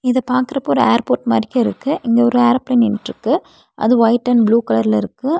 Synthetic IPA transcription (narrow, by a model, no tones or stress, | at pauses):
ɪðɐpaːɾkɯɾɐpːoːɔɾɯeːɾpoːɾʈmɐɾɪkːɐ̃ɪɾɯkːɯʔɪŋɡeːɔɾɯeːɾɐplɐɪnɪnɾɯkːɯ | ʔɐ̰ðɯʋɐɪʈːɐnbluːkɐlɐɾɪlɐɪɾɯkːɯ